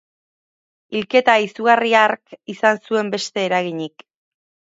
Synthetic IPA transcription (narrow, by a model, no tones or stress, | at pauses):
ilke̞t̪aisuɣariaɾkisansue̞mbe̞st̪e̞ːɾaɣ̞iɲik